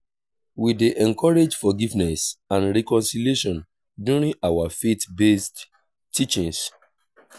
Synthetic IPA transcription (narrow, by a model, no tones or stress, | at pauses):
wideʔɛ̃ŋkɔɹed͡ʒfɔɡivnɛsãnɹɛkɔ̃nsilieʃɔ̃n | djuɹĩŋawafetbest | tit͡ʃĩŋs